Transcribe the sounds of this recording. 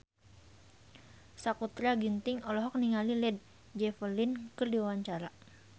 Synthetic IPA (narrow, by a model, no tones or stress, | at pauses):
sakut̪ɾaɡint̪ɪŋɔlɔɦɔk̚niŋalilɛd̪̚ | d͡ʒɛfərlinkɨrdiwawaɲt͡ʃaɾa